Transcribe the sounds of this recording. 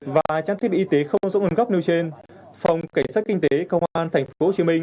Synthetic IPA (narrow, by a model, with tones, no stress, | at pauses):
vaː˨˩t͡ɕaː˧t̪i˦˥ɓi˧˨˧t̪e˨˦xə˧wŋ͡mzə̰˧˥ŋʔə˨˧˦nɣa˦˥p̚ne˧wt͡ɕe˧nfa˨˩wŋ͡mka˧˩sa˦˥t̚kï˧ŋ̟t̪e˨˦kə˧wŋ͡mʔaː˧nt̪ʰjŋ̟fo˧˦t͡ɕi˨˦mï˧ŋ̟